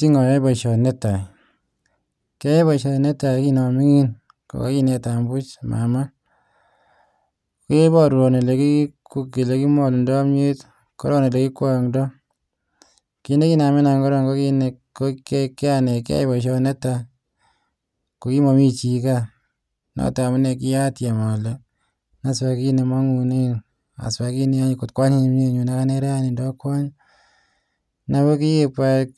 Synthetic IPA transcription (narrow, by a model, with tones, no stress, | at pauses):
ti˦ŋɔ˨jɔ˦bɔ˨ʃɔ˨nɛ˦ta˨j | ke˦e˦βɔ˨ʃɔ˨nɛ˦ta˨ki˦nɔ˨mi˦ŋi˦n | ko̰˨ka̰˦ki˦nɛ˧ta˨mbu˦t͡ʃma̰˨ma˦ | ko˦e˦bɔ˦ɾu˨ɾo˨ne˨le˨ki˦ku˦ki˨le˨ki˦mɔ˨lndɔ˦a˦mɲ˦e˦t | kɔ˦ɾɔ˦ne˨le˨ki˦kwa˦˨ŋdɔ˦ | ki˨ne˦ki˦na˨mi˦na˨ŋɡɔ˦ɾɔ˦˨ŋɡo˦ki˦ne | o˦ke˦kːe˦a˦ne˨kḛ˦˨bɔ˨ʃ̬ɔ˦ne˦ta˨ | ko˨ki˦mo˨mi˦t͡ʃi˨ka˦ | nɔ̰˦ta˨mu˦ne˧ki˦ja˦tja˨mɔ˨le˨ | na˦swa˨ki˦ne˨ma˦ŋu˨ne˦ | a̰˨swa˨ki˦ne˦a˦ɲ˨ko˨tkwa˦ɲi˦n˦mɲe˦ɲu˨na˦ka˦ne˦ɾa˦ni˨ndɔ˦kwa˦ɲ | na˦βo˦ki˦ji˦kpa˦k